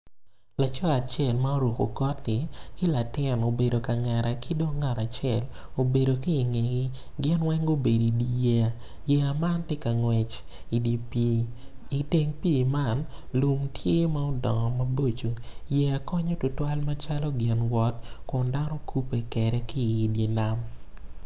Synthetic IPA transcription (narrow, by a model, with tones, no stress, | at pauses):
la˨t͡ʃɔ˦a˨t͡ʃjɛ˦˨lma˦o˦ɾo˨ko˨kɔ˦tːɪ˨kɪ˦la˨tɪ˦˨no˨be˨do˨ka˨ŋɛ˨ɾa˨kʰi˦do˦ŋa˨ɾa˨t͡ʃɛ˦˨l | o˨be˨do˨kiː˦˨ŋe˨ŋi˦ | ɡɪ˦nwɛ˦ŋo˦be˨do˨i˨di˨jɛ˦a˨ | jɛ˦ama˦ntɪ˦ka˨ŋwɛ˨t͡ʃ | i˨di˨pː | te˦ŋpi˦˨ma˦˨nlu˦mtje˦ma˦o˦dɔ̰˨ŋɔ˨ma˦bo˦t͡ʃo˨jɛ˨a˨kɔ˦ɲo˦tʊ˦twa˦lma˦t͡ʃa˦lɔ˦ɡɪ˨nwɔ˦tkʊ˨nda˦nɔ˦kʰu˦pe˨kɛ˨ɾɛ˦kɪ˦i˨dji˦la˦m